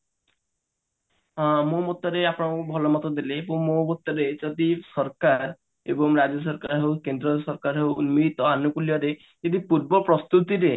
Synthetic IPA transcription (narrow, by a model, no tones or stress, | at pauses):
ɦãmomɔt̪ːɔɾeapɔnakbʱɔlɔmɔt̪ɔd̪eleebɔŋmobɔt̪ːɔɾed͡ʒɔd̪isɔɾkaɾ | ḛbɔŋɾad͡ʒɔsɔɾkaɾɦewkend̪ɾɔsɔɾkaɾɦewmit̪ɔanukuljɔɾe | d͡ʒed̪iput̪̚bɔlpɾɔst̪ut̪iɾe